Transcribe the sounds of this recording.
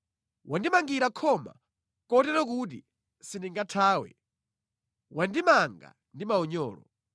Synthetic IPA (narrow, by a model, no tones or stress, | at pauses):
wandimaŋɡiɾakʰɔma̰ | kɔtɛtɔk̬ut̬i | siniŋɡatʰaːwɛ̰ | wandimaŋɡa̰ | ndimaɔɲɔːlɔ̰